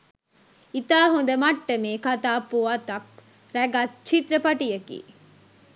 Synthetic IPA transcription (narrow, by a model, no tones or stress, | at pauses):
it̪aːɦund̪əmɐʈːɐmeːkat̪aːpuat̪ɐk̚ | ɾæɡat̪t͡ʃit̪ɾɐpɐʈijɐkḭː